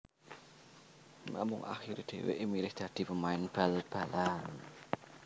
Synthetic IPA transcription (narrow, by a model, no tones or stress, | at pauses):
ma̰mʊŋʔa̰xiɾd̪̥e̤wḛʔmilɪhd̪̥ä̤d̪̥i̤pəmaɪnb̥alb̥a̤lan